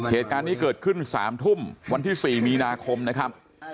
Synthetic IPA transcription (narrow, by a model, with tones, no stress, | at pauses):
heː˨˩t̪̚kaː˧nːiː˥˩kɤː˨˩t̪̚kʰɯ˥˩nsa̰ː˩˦mt̪ʰu˥˩mwa˧nt̪ʰiː˥˩siː˨˩miː˧naː˧kʰo˧mna˦˥kʰa˦˥p̚